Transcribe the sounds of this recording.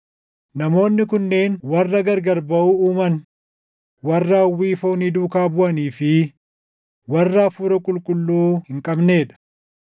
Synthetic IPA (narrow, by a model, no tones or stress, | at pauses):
nɐmo̞ːnːɪkʊnːe̞ːnwɐrːɐɡɐɾɡɐɾbɐʔuːuːmɐn | wɐrːaːwːiːfoːniːd̪uːkaːbʊʔɐniːfɪ | wɐrːaːfuːɾɐkʼʊlkʼʊlːuːhɪŋkʼɐbne̞ːᶑɐ̥